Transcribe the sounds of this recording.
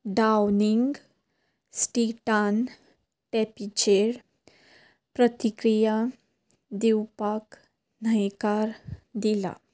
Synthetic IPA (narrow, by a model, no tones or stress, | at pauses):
ɖawniŋɡ | sʈiʈan | ʈɛpit͡ɕeɽ | pɾət̪ikɾija | d̪iwpak | nəjkaɾd̪ila̰